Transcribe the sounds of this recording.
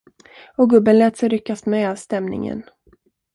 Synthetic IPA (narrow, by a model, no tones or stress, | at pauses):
ɔɡɵbənlɛːt̪sɛjɾʏkːast̪mɛast̪ɛmnɪ̰ŋə̰n